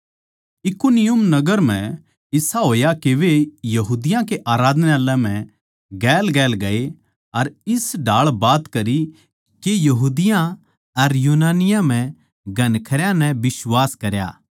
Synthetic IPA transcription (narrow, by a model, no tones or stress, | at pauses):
ɪkunɪjʊmnɐɡəɾm̤ɛ̃ | ɪsaɦoːjakeʋejɐɦuːd̪ɪjãkeʔaːɾaːd̪nalɛ̃m̤ɛ̃ | ɡɛːlɡɛːlɡɐe | ɐɾɪsɖʱaːɭbaːt̪kɐɾi | kejɐɦuːd̪ɪjã | ɐɾjuːnaːnɪjãm̤ɛ̃ | ɡʱɐ̃nkʰɐɾjãnɛbɪswaːskɐɾja̰ː